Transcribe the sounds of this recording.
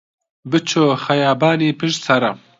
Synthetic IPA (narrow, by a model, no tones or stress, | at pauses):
bɨt͡ʃʰoːxɐjaːbaːniːpʰɨʃt̪sɐɾɐ